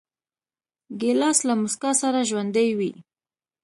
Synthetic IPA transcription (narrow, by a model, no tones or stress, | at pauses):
ɡelɑslamʊskasaɾaʒwand̪əjwi